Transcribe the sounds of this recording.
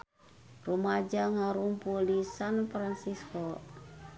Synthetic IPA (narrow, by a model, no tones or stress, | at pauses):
rumad͡ʒaŋaɾumpulisanfɾansiskɔ